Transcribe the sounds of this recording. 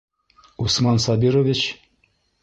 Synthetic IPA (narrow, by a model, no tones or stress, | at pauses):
usmɑnsɑbʲiɾovʲit͡ɕ